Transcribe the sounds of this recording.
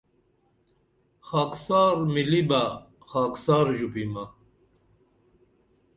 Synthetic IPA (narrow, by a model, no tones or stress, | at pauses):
xaːksɑːɾmiliba | χaːksaːɾʑupima